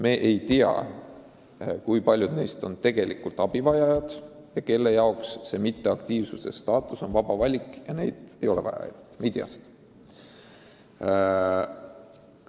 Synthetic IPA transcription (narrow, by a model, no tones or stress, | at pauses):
me̞ːʔejt̪iɑ̰ | kujpɑlʲjud̪̥ne̞jst̪o̞nt̪e̞ɡ̥e̞likult̪ˑɑb̥ivɑjɑjɑd̪̥ | jɑke̞lːe̞jɑoksːe̞mit̪ːe̞ɑkt̪iːvsuse̞̰st̪ɑːt̪ːˑuso̞nvɑb̥ɑvɑlʲikˑjɑne̞jd̪̥ejo̞lḛvɑ̰jɑ̰jɑt̪mejt̪iɑ̰st̪